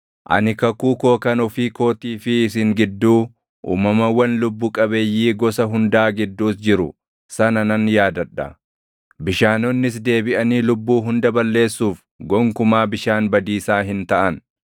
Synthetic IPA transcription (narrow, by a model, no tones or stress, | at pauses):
ʔɐ̰nɪkɐkuːkoːkɐnʊfiːko̞ːt̪iːfɪːs̬ɪŋɡɪd̪ːuː | ʔṵːmɐmɐwɐnlʊbːʊkʼɐbeːjːiːɡɔsɐɦʊnd̪aːɡɪd̪ːuːsd͡ʒɪɾʊ | sɐnɐnɐnjaːd̪ɐᶑːɐ | bɪʃaːnɔnːɪs̬d̪e̞ːbɪʔɐniːlʊbːuːɦʊnd̪ɐbɐlːe̞ːsːuːf | ɡɔŋkʊmaːbɪʃaːnbɐd̪iːsaːɦɪnt̪ɐʔɐn